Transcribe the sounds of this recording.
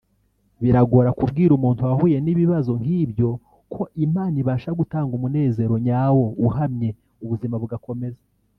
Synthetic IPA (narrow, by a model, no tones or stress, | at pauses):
βiɾaɡo̞ɾakub̚ɡiːɾumuːntuahuːje̞niβiβazo̞ŋhiːbjo̞ | kʰo̞ʔimaːniβaːʃaɡutaːŋɡumune̞ːze̞ɾo̞ɲaːwo̞uɦamɲe̞ | uβuzimaβuɡako̞me̞za